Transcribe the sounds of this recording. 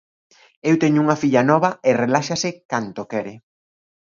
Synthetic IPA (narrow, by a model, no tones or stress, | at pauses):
ewt̪ɛɲʊuŋɐfiʎɐnɔβɐɪrelaʃasɪkant̪okɛɾɪ